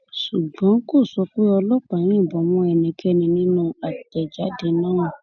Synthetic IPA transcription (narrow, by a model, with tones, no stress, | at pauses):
ʃu˨ɡ͡bɔ̃˨˦ko˦˨sɔ˧k͡pe˦ɔ˧lɔ˦k͡pã˨˦ɾ̃ĩ˦˨bɔ̃˨mɔ̃˧˦ɛ˨nĩ˨kʰɛ˦nĩ˧nĩ˦nũ˦a˨tɛ˨d͡ʒa˨˦de˧˦nãː˦˨ũ˨